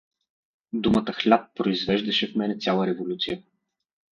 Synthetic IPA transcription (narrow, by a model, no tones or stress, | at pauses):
d̪umət̪əxlʲat̪̚pɾoizvɛʒd̪ɐʃɛfmɛnɛt̪sʲjalˠəɾɛvolʲut̪sijə